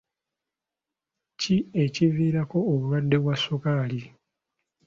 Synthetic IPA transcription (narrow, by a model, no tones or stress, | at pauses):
cie̞civiːɾako̞ːβulwadːe̞βwasokaːli